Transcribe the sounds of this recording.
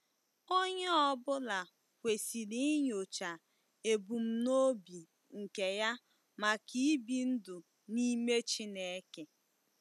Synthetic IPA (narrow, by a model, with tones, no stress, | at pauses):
o˦ɲe˦ɔ˨bʊ˦la˨ | kʷe˨si˨li˦ɲo˨t͡ʃa˨ | e˨bu˨m̩˦no˦bi˨ | ŋ̩˨ke˨ja˦ | ma˨ki˦bi˨n̩˦dʊ˨ | ni˦me˦t͡ʃi˦ne˨˦ke˨